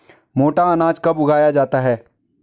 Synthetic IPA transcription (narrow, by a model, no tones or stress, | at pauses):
moːʈaanaːd͡ʒkabʊɡʱaːjad͡ʒaːt̪aɦɛː